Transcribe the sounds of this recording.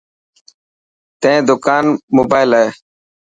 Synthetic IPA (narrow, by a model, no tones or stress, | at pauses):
t̪ẽd̪ʊkaːnmoːbaːɪlɦeː